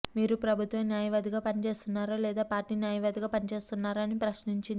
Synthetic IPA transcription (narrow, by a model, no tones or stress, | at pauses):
miːɾupɾɐbʱut̪ʋɐmnjaːjɐʋɐd̪iɡaːpɐnit͡ʃe̞ːst̪unːaːɾoːlɛːd̪aːpaːɾʈiːnjaːjɐʋɐd̪iɡaːpɐnit͡ʃe̞ːst̪unːaːɾuɐnipɾɐʃniɲt͡ʃin